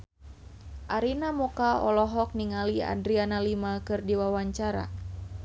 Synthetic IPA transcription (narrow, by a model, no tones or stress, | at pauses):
ʔaɾinamɔkaɔlɔɦɔk̚niŋalia̰dɾianalimakɨrdiwawaɲt͡ʃaɾa̰